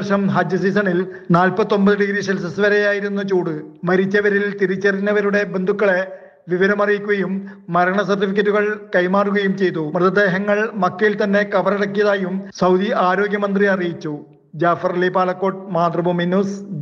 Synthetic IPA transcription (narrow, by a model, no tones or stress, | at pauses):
rʂɐmɦɐd͡ʑɐsiːsɐɳil | naːlpɐt̪ːo̞mbɐðɨɖiɡɾiːselɐs̬ɐsʋɐɾejaːjiɾunːɐt͡ɕuːɽɨmɐɾit͡ɕːɐʋɐɾilt̪iɾit͡ɕːɐrinːɐʋɐɾuɽe̞be̞nd̪ʱukːɐɭe | ʋiʋɐɾɐmɐrijikʲːuɣɐjumːɐɾɐɳɐsɐrʈːifik̬ʲːɐtːuɣɐɭkɐjmaːruɣɐjumt͡ɕe̞jt̪̬ːumrɨt̪ːɐd̪e̞ːɦɐŋːɐɭmɐkːɐjilt̪ɐnːe̞kɐʋɐreɽɐkːijɐðaːjumsɐwd̪iaːɾo̞ːɡjɐmɐnd̪riɐrijit͡ɕːu | d͡ʑaːfɐrlipaːɭɐkːo̞ːʈmaːt̪rɐbʱuminuːs